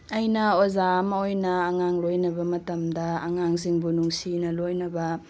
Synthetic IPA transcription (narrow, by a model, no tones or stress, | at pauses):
ɐjnɐozamɐojnɐːŋaŋlojnɐbɐmɐtɐmdɐːŋaŋziŋbunuŋsinɐlojnɐbɐ